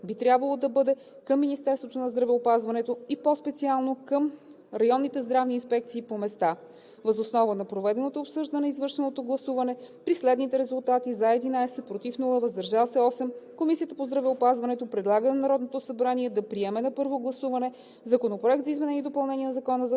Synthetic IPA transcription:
bit̪ɾʲjabvɐlˠod̪ɐbɤd̪ɛ | kəmːinist̪ɛɾst̪vot̪onɐzd̪ɾɐvɛopazvɐnɛt̪oipospɛt̪sialˠnokəm | ɾɐjɔnːit̪ɛzd̪ɾavniːnspɛk̚t̪siːpomɛst̪a | vəzosnɔvənɐpɾovɛd̪ɛnot̪oːpsɤʒd̪ənɛizvɤɾʃɛnot̪oɡlˠɐsuvɐnɛpɾislɛd̪nit̪ɛɾɛzulˠt̪at̪izaɛd̪inajsɛt̪̚pɾot̪ifnulˠəvɐzd̪ɐɾʒavsɛɔsɛmkomisijət̪əpozd̪ɾɐvɛopazvɐnɛt̪opɾɛd̪lˠaɡənɐnɐɾɔd̪not̪osɐbɾaniɛd̪ɐpɾiɛmɛnɐpɤɾvoɡlˠɐsuvɐnɛ | zɐkonopɾoɛk̚t̪zɐizmɛnɛnid̪opɐlˠnɛnʲiɛnɐzɐkɔnəz

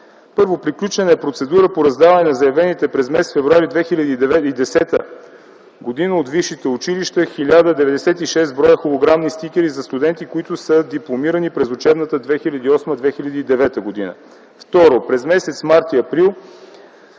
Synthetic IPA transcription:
pɤɾvopɾiklʲut͡ʃɛnɛːpɾot̪sɛd̪uɾəpoɾɐzd̪avɐnɛnɐzɐjɛvɛnit̪ɛpɾɛzmɛst̪fɛvɾuaɾid̪vɛxilʲɐd̪iːd̪ɛvɛid̪ɛsɛt̪ə | ɡod̪inəot̪vifʃːit̪ɛʊt͡ʃiliʃt̪əxilʲad̪əd̪ɛvɛd̪ɛsɛt̪iʃɛst̪bɾɔjəxolˠoɡɾamnist̪ikʲɛɾizɐst̪ud̪ɛnt̪ikoit̪ʊsəd̪iplˠomiɾənipɾɛzot͡ʃɛbnət̪əd̪vɛxilʲɐd̪iɔsməd̪vɛxilʲɐd̪iːd̪ɛvɛt̪əɡod̪ḭnə̰ | ft̪ɔɾopɾɛzmɛsɛt̪smaɾt̪iɐpɾilˠ

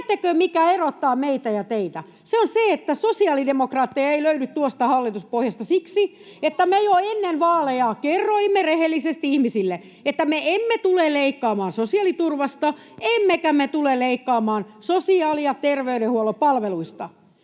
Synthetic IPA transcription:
t̪ːækøːmikæerot̪ːɑːmeit̪æjɑt̪eit̪æ | seonseet̪ːæsosiɑlidemokrɑːt̪ːiɑeiløynyt̪t̪uost̪ɑhɑlːit̪uspohjɑst̪ɑsiksi | et̪ːæmejoenːenʋɑːlejɑːkerːoimːerehelːisest̪ihmisilːe | et̪ːæmeemːet̪ulelleikːɑːmɑːnsosiɑlit̪urʋɑst̪ɑ | emːekæmet̪uleleikːɑːmɑːn | sosiɑːliɑt̪erʋeyɾehuolopɑlʋeluist̪ɑ

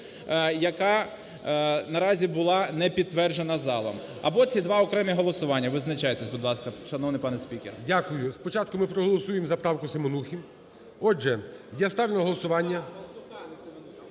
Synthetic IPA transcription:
jɐkɑ | nɐɾɑzʲibʊlˠɑnɛpʲid̪̚t̪ːʋɛrʒenɐzɑlˠɐ̰m | ɐ̰bɔt͡sʲid̪ʋɑɔkɾɛmʲiɦɔlˠɔsʊʋɑnʲːɐʋɪznɐt͡ʃajet̪esʲbʊd̪lˠɑskɐʃɐnɔwnɪjpɑnɛsʲpʲikʲḛrdʲakʊjʊspɔt͡ʃɑt̪̚kʊmɪpɾɔɦɔlˠɔsujemzɐpɾɑwkʊsɪmɔnuxʲi | ɔd͡ʒɛjɛst̪ɑʋlʲɪnɔɦɔlˠɔsʊʋɑnʲːɐ

